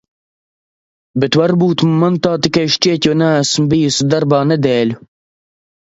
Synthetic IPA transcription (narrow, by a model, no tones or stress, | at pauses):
bɪt̪wɐɾbuːt̪mɐnt̪aːt̪ikɐʃt͡ʃeːt̪ʲonaːsmbijisd̪ɐɾbaːnɐd̪eːlu